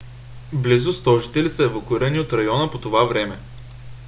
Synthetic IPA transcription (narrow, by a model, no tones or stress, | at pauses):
blizʊst̪ɔʒit̪ɛlisəɛvokʊiɾəniot̪ɾɐjɔnəpot̪ovavɾɛmɛ